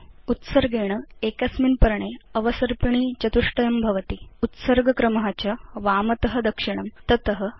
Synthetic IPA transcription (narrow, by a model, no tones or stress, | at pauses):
ut̪səɾɡeːɳ̃ɐekɐsminpɐɾɳeɐʋɐsɐɾpiɳ̃iːt͡ɕɐt̪uʂʈɐjɐmbʱɐʋɐt̪iut̪səɾɡʱɐkɾɐmɦat͡ɕaʋaːmɐt̪ɐɦɐ̆d̪ɐkʂiɳ̃ɐmt̪ɐt̪əɦə̆